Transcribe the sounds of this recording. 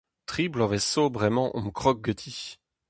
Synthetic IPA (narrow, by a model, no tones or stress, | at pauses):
t̪χiblɔ̃vɛsobʁɛmɑ̃ʔɔ̰̃məkχɔk̚ɡət̪ʰi